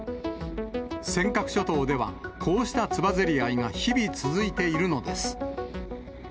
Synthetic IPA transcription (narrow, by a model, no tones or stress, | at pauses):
sẽ̞ŋkakɯ̥ɕo̞t̪o̞ːd̪e̞β̞a̰kʰo̞ːɕi̥t̪at͡sɨbazeɾʲiaiŋaçibʲit͡sɨzɨit̪e̞iɾɯ̟no̞d̪e̞sɨ̥